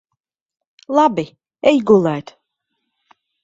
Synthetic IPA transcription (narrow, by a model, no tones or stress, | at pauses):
lˠabi | ɛjɡulajt̪